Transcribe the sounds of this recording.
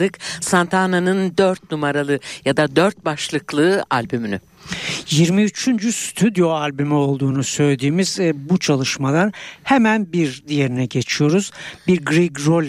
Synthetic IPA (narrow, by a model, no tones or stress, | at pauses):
ɯksant̪ʰananɯnd̪øɾt̪̚numaɾalˠɯjad̪ad̪øɾt̪̚baʃlˠɯklˠɯːalʲbymyny | jiɾmiyt͡ʃʰynd͡ʒyst̪ʰyd̪jo̞alʲbymio̞lˠd̪uːnusø̞jlʲed̪iːmizbut͡ʃʰalˠɯʃmad̪anhemænbiɾd̪ije̞ɾinɛɟe̞t͡ʃʰijo̞ɾuz̥biɾɡɾiɡɾolʲ